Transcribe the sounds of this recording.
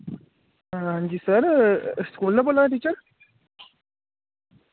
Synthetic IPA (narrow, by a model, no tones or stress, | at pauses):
ɦə̃ɲd͡ʑisəɾskulːɐbolaʈ̪̬iːt͡ɕəɾ